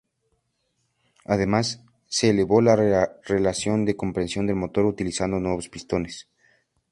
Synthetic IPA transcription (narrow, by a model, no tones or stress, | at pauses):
aðe̞masː | eːle̞βo̞lare̞lasjo̞nd̪e̞ko̞mpɾe̞nsjo̞nd̪elmo̞t̪o̞ɾut̪ilisand̪o̞nwe̞βo̞spist̪o̞nes